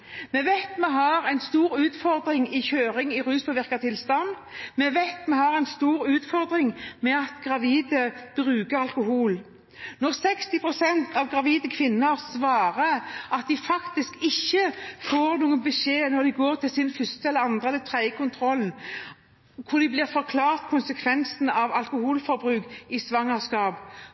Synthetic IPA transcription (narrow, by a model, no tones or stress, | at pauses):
mɛʋæɪt̪mɛɦɑɾɛɪnst̪uːɾʉːt̪fɔɾd̪ɾɪŋɪçøːɾɪŋɪʁʉːspʰɔʋɪʁkɑt̪ʰɪlst̪ɑn | mɛʋæɪt̪mɛhɑɾɛɪnst̪uːɾʉːt̪fɔɾd̪ɾɪŋmɛɑt̪ɡʁɑʋiːd̪əb̥ɾʉːkəɑlkʊhuːl | nɔʁsɛkst̪ɪpʰɾʊsɛnt̪ʰɑʋɡʁɑʋiːd̪əkʰʋɪnːəɾsʋɑːɾəɑt̪̚d̪ɪfɑkt̪ɪskɪçːəfoːɾnuːənbəʃeːnɔʁd̪ɪɡoːʁt̪ʰɪlsɪnfʏst̪əɛləɑnd̪ʁəɛlːət̪ʰɾæɪəkʰʊnt̪ʰɾɔln | kʰʊɾd̪ɪblɪʁfɔɾkʰlɑːʁt̪kʰʊnsɛkʰʋɛnsn̩ɑʋɑlkʊhuːlfɔɾbʁʉːkɪsʋɑŋːəʁskɑːb